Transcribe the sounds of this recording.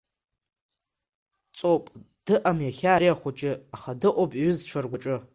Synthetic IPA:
t͡sʼopʼ | d̥ɨʔamjaχʲaːɾijaχʷʊt͡ʃʼɪaχadɨʔʷʼopʼiɥʊzʈ͡ʂʷʰarɡʷaʈ͡ʂʼɨ

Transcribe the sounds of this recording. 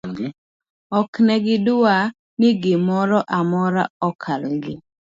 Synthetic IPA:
ɔknɛɡɪdʊa | nɪɡɪmɔɾɔʔamɔɾa̰ɔkʰalɡɪ

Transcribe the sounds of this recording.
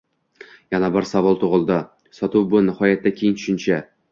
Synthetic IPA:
janabɒɾsavɒlˠt̪ʰoʁɨlˠd̪ɪ | sɒt̪uwbʊnɪhɒjat̪ːakʲʰejɪŋt̪ʰʊ̥ʃɪnt͡ʃʰa

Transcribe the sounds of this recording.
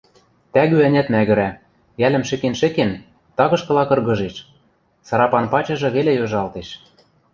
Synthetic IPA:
t̪æɣyænʲæt̪mæɣɘ̆ɾæ | jælɘ̆mʃɘ̆kenʃɘ̆ken | t̪ɑɣɤ̆ʃkɤ̆lɑkɤ̆rɣɤ̆ʒeʃ | sɤɾɑpɑnpɑt͡ɕɤ̆ʒɤ̆βelejoʒɑlt̪eʃ

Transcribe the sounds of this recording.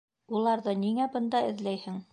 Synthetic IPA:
ulˠɑɾðɤniŋæbɤ̆nd̪ɑɘ̆ðlæjhɘŋ

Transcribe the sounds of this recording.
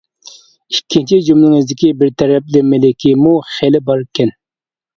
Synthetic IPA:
ikʲʰːint͡ʃʰid͡ʒumlɨŋɪzd̪ɪkʲibɪɾt̪ʰɛɾɛp̚lɪmɪlɪkʲimuχelɪbɑɾkʲʰɛn

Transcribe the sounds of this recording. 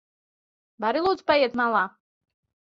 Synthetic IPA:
baɾilˠuːd̪z̥pajɛɛt̪malˠaː

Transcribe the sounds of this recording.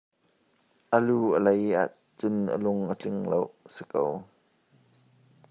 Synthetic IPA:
ʔəluːəlɐjʔa̰ːʔ | t͡sʊnə̰lʊŋʔət͡ɬɪŋlowəsi̥kəw

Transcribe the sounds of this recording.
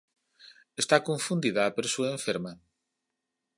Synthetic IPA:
est̪akoɱfund̪iðaːpeɾsuẽɱfeɾma

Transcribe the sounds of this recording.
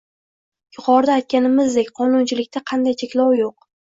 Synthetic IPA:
jʊqʰɒɾd̪aːjt̪̚kʲanɪmɪzd̪ekʲqʰɒnunt͡ʃʰɪlɪkʲt̪aqʰɑnd̪ajt͡ʃʰe̞kʲlɒwjoq

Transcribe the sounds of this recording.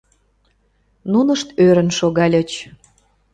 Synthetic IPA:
nunəʃt̪øɾə̆nʃoɣɑlʲə̆t͡ɕ

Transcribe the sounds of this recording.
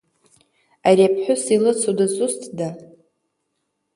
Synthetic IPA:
aɾiapʰħʷʊsilɨt͡sʰudazustʰʼda

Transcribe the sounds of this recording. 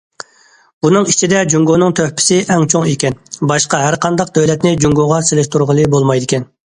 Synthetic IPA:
bunɨŋit͡ʃʰid̪ɛd͡ʒuŋɡonɨŋt̪ʰøhpʰɪ̥sɪʔɛŋt͡ʃʰoŋekʲɛnbɑʃqɑɦæɾqʰɑnd̪ɑq̚d̪øwlɛt̪nɪd͡ʒuŋɡoʁɑselɪʃt̪uɾʁəlˠɨbolˠmɑjd̪ɪkʲʰɛn

